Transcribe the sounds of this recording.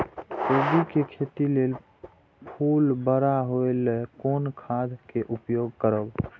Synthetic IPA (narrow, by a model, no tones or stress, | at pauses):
obikekʰet̪ilel | pʰulbəɾaɦoelɛkonkʰad̪ʱkeʔupjoɡ̚kəɾəb